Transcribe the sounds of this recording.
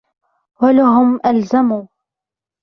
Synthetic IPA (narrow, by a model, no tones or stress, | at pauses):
walaɦʊmʔalzamuː